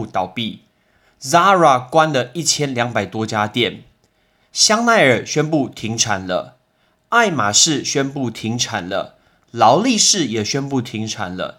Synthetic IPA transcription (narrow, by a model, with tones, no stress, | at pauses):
t̪ɑ˨˩ʊpi˥˨ | za˦ɻa˨˩kwa˦nd̪ə˨i˥˩t͡ɕʰjɛ˦nljɑ˧˥ŋpa˨˩ɪt̪wɔ˥t͡ɕja˥˦t̪jɛ˥˩n | ɕjɑ˥ŋna˥˩ɪə˨˩ɕɥɛ˦˥npu˥˩t̪ʰi˧˥ŋʈ͡ʂʰa˨˩nlə̰˦ | a˥˩ɪma˨˩ʂɻ̩˥˩ɕɥɛ˥npu˥˩t̪ʰi˧˥ŋʈ͡ʂʰa˨˩nlə̰˦ | lɑ˧˦ʊli˥˧ʂɻ̩˥˩jɛ˨˩ɕɥɛ˥npu˥˩t̪ʰi˧˥ŋʈ͡ʂʰa̰˨˩nlə̰˦